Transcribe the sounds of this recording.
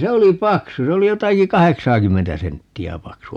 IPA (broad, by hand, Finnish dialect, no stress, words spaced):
se oli pɑksu se oli jotɑki kɑheksɑːkymːentæ sentːiæ pɑksu